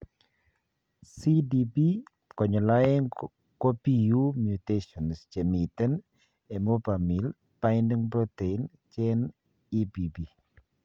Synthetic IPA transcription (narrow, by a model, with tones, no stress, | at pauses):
si˦dibi | kɔ˨ɲɔ˨lɔɛ˦ŋ | kɔ˦piju˦mjuteʃɔ˨nst͡ʃe˨mi˨tɛ˦n | e˨mo˦pa˨mi˨l | paɪndi˦ŋpɾo˦tein | t͡ʃɛ˦n | ipibi˨